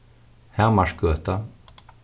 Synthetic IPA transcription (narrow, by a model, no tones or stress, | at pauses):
hɛʁmaʂkœːt̪a